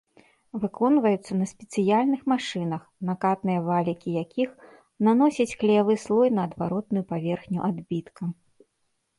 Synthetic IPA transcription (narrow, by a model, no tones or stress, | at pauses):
vɨkɔnvɐjut̪sːɐnɐsʲpʲɛt̪sɨjalʲnɨxmaʂɨnɐxnakat̪nɨjɐvalʲikʲijakʲix | nanɔsʲɐt͡sʲklʲɛjavɨslˠɔjnɐːd̪vaɾɔt̪nujupavʲɛrxnʲuʔad̪bʲit̪kɐ